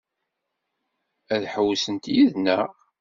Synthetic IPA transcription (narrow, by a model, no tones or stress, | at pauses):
æðħəwːsənt̪jiðnæ